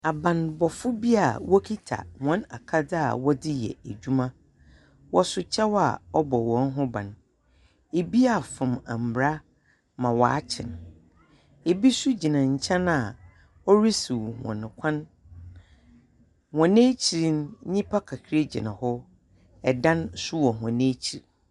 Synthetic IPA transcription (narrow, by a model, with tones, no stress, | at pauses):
a˨bã˨nbɔ˨fʊ˦bi˦a˨wɔ˦kʰi˦tʰa̰˨hɔ̃˨˦na̰˨kʰa˦dɪ˦a̰˨wɔ˦dɪ˦jɛ̰˨æ˨d͡ʑᶣu˦mã˦ | wɔ˦sʊ˨t͡ɕʰɛ˦wa̰˨ɔ˦bɔ˨wɔ̃˨˦n˦ɦʊ̃˦bã̰˨n | e˨bi˦a˨fʊ̃˨mã̰˨m̩˨ɾa˦ | mã˨wɔ˨a˦t͡ɕʰɪ̰̃˨n | e˨bi˦su˦d͡ʑi˨nã˨ɲ̩˨t͡ɕʰɛ̃˦na˨ | ɔ˦ɾi˦su˨whɔ̰̃˨nɪ̃˨kʷʰã˦n | hɔ̃˨nẽː˦t͡ɕʰi˨ɾi˦n˦ɲĩ˦pʰa˦kʰa˨kʰɾe˦d͡ʑḭ˨nã˨hɔ˦ | ɛ˨dã˦nsʊ˦wɔ˨ɦã˨nẽ˦t͡ɕʰi˨ɾ